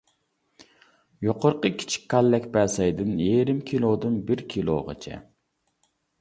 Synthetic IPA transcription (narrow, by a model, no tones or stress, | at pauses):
joqʰoɾqəkʲʰi̥t͡ʃʰi̥kʲkʰːɑlːɛkʲbɛsɛjd̪ɨnjeɾɪmkʲʰilˠod̪ɨnbɪɾkʲʰilˠo̰ʁə̰t͡ʃʰɛ̰